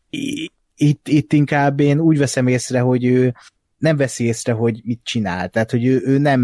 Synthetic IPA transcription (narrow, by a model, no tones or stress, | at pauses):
it̪ːit̪ːiŋkaːbːeːnuːɟvɛsɛmeːsrɛɦo̞ɟøː | nɛɱvɛsieːsrɛɦo̞ɟmit̪̚t͡ʃinaːlt̪ɛɦat̪ho̞ɟøːʔøːnɛm